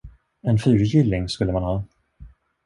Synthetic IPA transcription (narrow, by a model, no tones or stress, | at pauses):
ɛnfyːɾjʏlːɪŋskɵlːəmanhɑː